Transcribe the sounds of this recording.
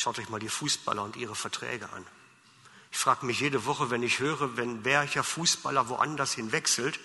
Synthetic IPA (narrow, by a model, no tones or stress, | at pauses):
ʃaʊtɔçmaːldiːfuːsb̥a̰lɐʊntʔiːʁ̞əfɛɐtʁ̥ɛ̰ːɡəʔa̰n | ʔɪçfʁ̥aːɡəmɪçjeːdəvɔχəvɛnɪçhøːʁəvɛnvɛɐçɐfuːsb̥a̰lɐvoʔa̰ndɐshɪnvɛksl̩t